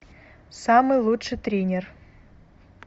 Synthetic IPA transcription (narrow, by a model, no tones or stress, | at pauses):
sɑmɨjlˠutʂɨjt̪ɾʲenʲer